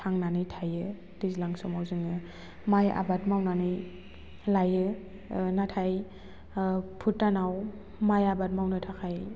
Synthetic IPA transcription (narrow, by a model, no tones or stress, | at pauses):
tʰaŋnanɯjtʰajɯ | d̥izlaŋsɔmawzɯŋɯ | maja̰batmawnanɯj | lajɯ | natʰaj | pʰutːanaw | majabat̚mawnɯtʰakʰaj